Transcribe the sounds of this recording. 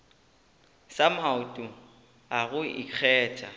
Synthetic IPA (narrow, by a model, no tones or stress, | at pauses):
samaʊtʼʊ | aɣʊḭk͡xʰɛːt͡ʃʼa̰